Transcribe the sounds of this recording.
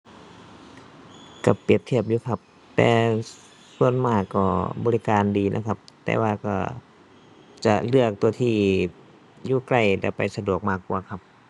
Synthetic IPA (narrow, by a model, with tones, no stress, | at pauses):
ka˧˩pi˨˩əp̚t̪ʰi˧˩əp̚juː˧˩kʰa˧p̚ | t̪ɛ̰ː˧ | su˧ənmaː˧˩kːɔ̰ː˧˩bɔː˧li˦˧kaː˧ndiː˨˧nʔa̰˧˥kʰa˧p̚t̪ɛ̰ː˧waː˧kɔ̰˧˩ | t͡ɕa˧˩lɯ˧˩ək̚t̪u˧ɐt̪ʰiː˧˩ | juː˧˩kla˧˩jlɛ̰˧˩pa˨jsa˧du˨˩ək̚maː˧˩kːu˧ɐkʰa˧p̚